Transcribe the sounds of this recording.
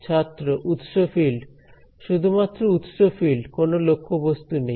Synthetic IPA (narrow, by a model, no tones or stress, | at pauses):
t͡ɕʰat̪ːɾoʔut̪ʃofil | ʃud̪ʱumat̪ːɾout̪ʃofilkonolokʰːobost̪unej